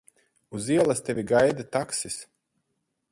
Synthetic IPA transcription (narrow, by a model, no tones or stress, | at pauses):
uziɛlˠast̪ʲɛvʲiɡajd̪at̪aksis